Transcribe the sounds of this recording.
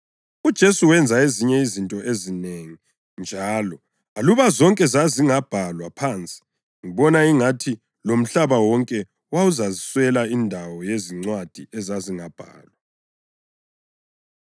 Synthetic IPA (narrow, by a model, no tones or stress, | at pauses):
ud̥ʒ̥ʱesuwɛnd͡zʱaeziɲɛizintʼɔʔezineŋi | nd͡ʒʱaːlɔ | aluβazɔŋkʼɛzaziŋab̥ʱalwapʰaːnt͡sʼi̥ | ŋiβɔnaiŋatʰi | lom̩ɬaβawɔŋkʼɛ | wauzaziswɛlaindʱawɔjeziŋ͡ǀwad̥ʱiɛzaziŋab̥ʱa̰ːlwa